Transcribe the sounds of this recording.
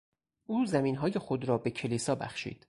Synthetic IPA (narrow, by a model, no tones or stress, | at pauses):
ʔuːzæmiːnɦɒːje̞xod̪ɾɒːbe̞cʰeliːsɒːbæ̰xʃḭːd̪̥